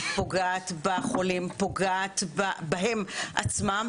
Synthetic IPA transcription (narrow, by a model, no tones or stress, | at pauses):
oɡaat̪baχolimpoɡaat̪babaɦemʔa̰t͡smam